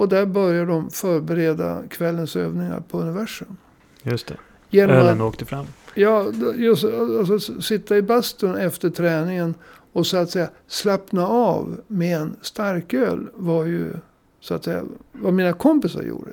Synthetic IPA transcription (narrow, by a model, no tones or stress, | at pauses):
ɔd̪æɾbœɾjaɖɔmfœːɾbɛɾeːd̪a̰kʰvɛlːənsø̰ːvnɪŋa̰ɾpʰɔɵnːɪvæʂɵm | jɵst̪ʰɛ̰ | jeːnɔmnoːkt̪əfɾamːjɑːjɔaals̬ɔsɪt̪ːaɪbast̪ənɛft̪əʈʰɾɛːnɪŋən | ɔsɔat̪sɛjːa | slapnaɑːvmeɛnst̪aɾkø̰ːlvajɵ̰ | sʊat̪sɛjːa̰vaɾmiːnakʰɔmpɪsa̰ɾjṵːɖə̰